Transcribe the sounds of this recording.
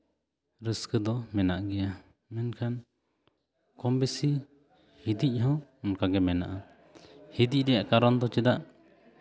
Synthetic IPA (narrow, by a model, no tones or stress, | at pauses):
ɾəskəd̪ɔmɛna̰ʔɡɛja | mɛnkʰan | kɔmbɛsi | hid̪ic̚ˀɦɔ̃unkaɡɛmɛna̰ʔa | hid̪ic̚ɾɛjaʔkaɾɔnd̪ɔt͡ʃɛd̪aʔ